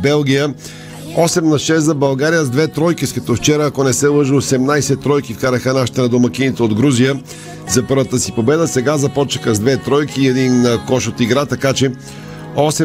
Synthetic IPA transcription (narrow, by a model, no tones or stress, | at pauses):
bɛlˠɡ̟ʲijə | ɔsɛmnɐʃɛszɐbɐlˠɡaɾijəzd̪vɛt̪ɾɔjkiskɐt̪ɔft͡ʃɛɾəːkonɛsɛlˠəʒəosɛmnajsɛt̪ɾɔjkifkaɾɐxənaʃi̥t̪ɛnɐd̪omɐkinit̪ɛod̪ɡɾuzijə | zɐpɤɾvət̪əsipobɛd̪əsɛɡazɐpɔt͡ʃɐxəzd̪vɛt̪ɾɔjkiːɛd̪inːəkɔʃot̪iɡɾat̪ɐkat͡ʃɛ | ɔsɛ